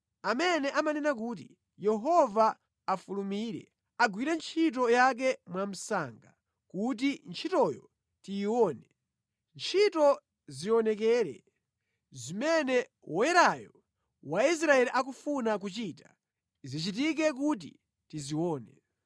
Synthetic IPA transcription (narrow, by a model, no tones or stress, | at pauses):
amɛnɛʔamanɛnak̬uːt̬i | jɛɦɔvaː | fulumiːɾɛ̰ | aɡwiɾɛnt͡ʃʰit̬ɔjak̬ɛmwam̩saŋɡa | kut̬int͡ʃʰitɔjɔ̰ | tijːwɔːnɛ | nt͡ʃʰitɔ | ziɔnɛk̬ɛːɾɛ̰ | zimɛnɛ | wɔjɛɾajɔ | wais̬ɾaɛliʔak̬ufunak̬ut͡ʃiːta | zit͡ʃitik̬ɛk̬ut̬ḭ | tiziwɔːnɛ